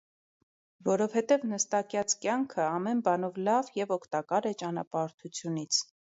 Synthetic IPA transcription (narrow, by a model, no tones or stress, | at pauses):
vɔɾɔvhɛt̪ɛvnəst̪ɑkjɑt͡skjɑŋkʰəɑmɛnbɑnɔvlɑvjɛvɔkʰt̪ɑkɑɾɛt͡ʃɑnɑ̰pɑɾt̪ʰut͡sʰjunit͡sʰ